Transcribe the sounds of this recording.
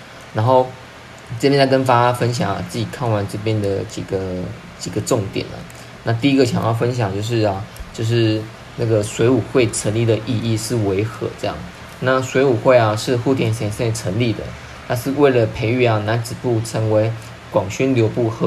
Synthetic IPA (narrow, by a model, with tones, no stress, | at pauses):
na˧˥nxo˥˩ʊ | ʈ͡ʂɤ˥˩pjɛ˥nt͡skə˦˥nfa˥a˥fə˦˥nɕ̬jɑ̰˨˩ŋ̰˨˦t͡sɹ̩˥˩t͡ɕi˨˩kʰɑ˥˩ŋwa˧˦nʈ͡ʂɤ˥˧p̬jɛ˥nd̪ə˨t͡ɕḭ˨˩ɡə˩ | t͡ɕi˨˩ɡə˦ʈ͡ʂʊ˥˩ŋt̪jɛ̰˨˩nə̰˩ | na˥˧t̪i˥˩i˦˥ɡə˨˩ɕjɑ̰˨˩ŋjɑ˥˩ʊfə˦nɕ̬jɑ˨˩ŋt͡ɕjo˥˧ʊʂ̬ɻ̩˥˩a˩t͡ɕjo˥˧ʊʂ̬ɻ̩˥˩ | na˥˩ɡə˩swe˧˥ɪu˨˩xwe˥˩ɪʈ͡ʂʰə˧˥nli˥˩d̪ə˨ʔi˥˧i˥˧ʂɻ̩˥˩we˧˦ɪxɤ̰˧˦ʈ͡ʂɤ˥˧jɑ̰˥˩ŋ | na˥˩swe˧˥ɪu˨˩xwe˥˩ɪa˨ʂɻ̩˥˧xu˥˩t̪ʰjɛ˨˩nɕjɛ˨˩nsɛ˥˩ʈ͡ʂʰə˧˥nli˥˩d̪ə̰˩ | t̪ʰa˥˧ʂɻ̩˥˧we˥˩ɪlə˩pʰe˧˥ɪy˥˩a˨na˧˦˥nt͡sɻ̩˨˩pu˥˩ʈ͡ʂʰə˧˥ŋwe˧˥ɪ | kwɑ˨˩ŋɕy˥nljo˧˥ʊpu˥˩xɤ˧˦